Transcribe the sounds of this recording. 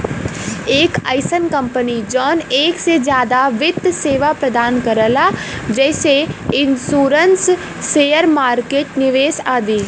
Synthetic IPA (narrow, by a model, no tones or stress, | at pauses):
eːkaɪsənkɐ̃mpənid͡ʒɔːneːksed͡ʒjaːd̪aʋɪt̪ːseːʋapɾɐd̪aːnkɐɾəlad͡ʒɛːseɪ̃nsuːɾənsː | eːjəɾmaːɾkeːʈnɪʋeːsaːd̪iː